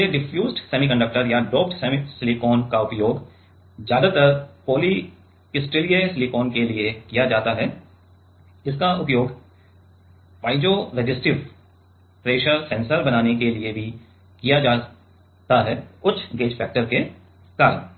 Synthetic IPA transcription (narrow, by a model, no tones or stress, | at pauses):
jeɖɪfʰjuːzɖsɛːmikɐ̃ɳɖək̚ʈəɾjaɖoːpʈsɛmisɪlikoːnkaʊpjoːɡ | zjaːd̪at̪əɾpoːli | kɪsʈɪlijesɪlikoːnkeliekijad͡ʒaːt̪aɦɛː | ɪskaʔʊpjoːɡ | ʋaːɪd͡ʒoɾɛd͡ʒɪsʈɪʋ | pɾeːʃəɾsɛ̃nsəɾbɐnaːnekeliebʱi | kijad͡ʒaː | t̪aɦɛʊt͡ʃʰɡeːd͡ʒfʰɛːk̚ʈəɾke | kaːɾən